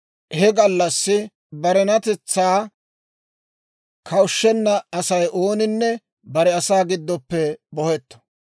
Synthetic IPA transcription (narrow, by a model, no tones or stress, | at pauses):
hɛɡɐlːɐsːɪ | bɐɾɛnɐt̪ɛt͡sːaː | kʰɐwʊʃːɛnːɐɐsɐjʔoːnɪnːɛ | bɐɾɛɐsaːɡɪd̪ːɔpːɛbɔhɛt̪ːɔ̥